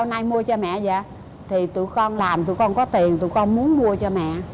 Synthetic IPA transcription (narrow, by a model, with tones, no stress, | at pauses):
a˧wna˧jmu˧ət͡ɕɔ˧mɛ̰˧˨za̰ː˧˨ | t̪ʰi˨˩t̪ṵ˧˨kɔ˧nlaː˨˩mt̪ṵ˧˨kɔ˧nkɔ˨˦t̪i˨˩ənt̪ṵ˧˨kɔ˧nmu˨˦ənmu˧ət͡ɕɔ˧mɛ̰˧˨